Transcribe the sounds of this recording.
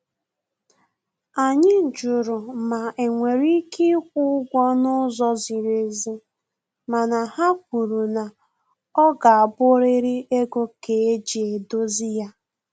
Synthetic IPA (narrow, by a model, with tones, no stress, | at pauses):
a˨ɲɪ˦d͡ʒʊ˨ɾʊ˨ma˨e˨ŋʷe˨ɾi˦ki˦kʷʊ˦ɡʷɔ˦nʊ˦zɔ˦zi˨ɾe˨zi˦ | ma˨na˨ha˦k̚ʷu˨ɾu˨na˨ | ɔ˦ɡa˨a˨bʊ˦ɾɪ˦ɾɪ˦e˦ɡo˦ke˨e˦d͡ʒi˨e˨do˦zɪ˦ja˦